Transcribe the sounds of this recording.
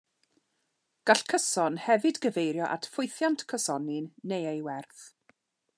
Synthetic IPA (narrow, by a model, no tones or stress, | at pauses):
ɡ̥aɬkʰəsɔnhɛvɨdɡəvejɾjɔʔa̰tʰfʊjθjantʰkʰəsɔnɪnːejejwɛrθ